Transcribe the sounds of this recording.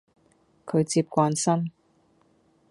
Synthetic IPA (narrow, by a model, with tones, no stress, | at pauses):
kʰɵ˨˧ɥt͡siː˧p̚kʷaː˧nsɐ˥n